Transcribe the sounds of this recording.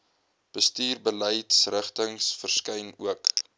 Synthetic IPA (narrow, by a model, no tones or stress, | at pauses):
b̥əstiːrbəlɛjtsrəχtəŋsfərskɛjnuək